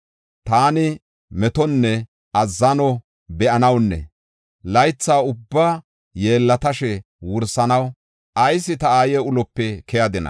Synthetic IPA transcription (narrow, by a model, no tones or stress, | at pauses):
t̪aːnɪ | mɛt̪ɔnːɛ | ʔɐzːɐnɔ | bɛʔɐnɐwnːɛ̰ | lɐjt͡sːaːʊbːaː | je̞ːlːɐt̪ɐʃɛ | wʊɾsɐnɐw | ʔɐjsːɪt̪ɐaːjeʊlɔpːɛkɛjɐd̪ɪnɐ̰